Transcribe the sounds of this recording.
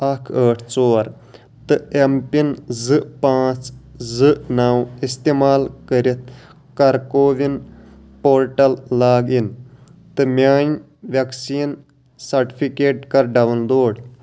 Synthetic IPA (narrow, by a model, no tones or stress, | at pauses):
ɐkʰəːʈʰt͡soːɾ | t̪ɨempinzɨʔpãːt͡szɨʔnaːwist̪eːmaːlkəɾit̪̚ʰ | kɐɾkoːʋin | poːɾʈɐlːaːɡint̪ɨmjaːn | ʋɐksiːn | sɐɾʈi̥pʰikeːʈkɐɾɖɐʋnd̪oːɽ